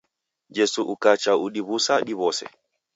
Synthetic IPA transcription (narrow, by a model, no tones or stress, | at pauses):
d͡ʒɛsuʔukat͡ʃauɗiβusaɗiβɔsɛ̰